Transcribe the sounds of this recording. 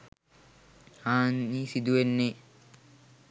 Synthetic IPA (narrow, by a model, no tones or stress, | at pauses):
haːnːiːsid̪uʋenːe